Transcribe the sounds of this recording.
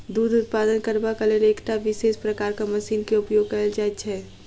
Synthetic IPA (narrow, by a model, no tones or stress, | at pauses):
d̪uːd̪ʱʊt̪̚paːd̪ənkəɾbakəleleːkʈaʋɪseːspɾəkaːɾkamɐsiːnkeʊpjoːɡ̚kəld͡ʒat̪t͡ʃʰɛː